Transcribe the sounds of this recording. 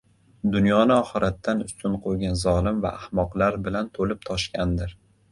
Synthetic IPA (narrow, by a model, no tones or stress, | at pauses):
d̪ʊnjɒnɪɒχɨɾat̪ʰːanʊst̪ʰʊnqʰojɡʲanzɒlˠɪmva̰ʔːhmɒqlˠaɾbɪlant̪ʰolɪp̚t̪ʰɒʃkʲand̪ɪɾ